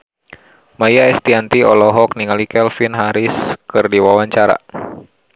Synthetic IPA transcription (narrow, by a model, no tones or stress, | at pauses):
majaɛst̪iant̪iɔlɔɦɔk̚niŋalikɛlfinɦaɾɪskɨrdiwawaɲt͡ʃaɾa̰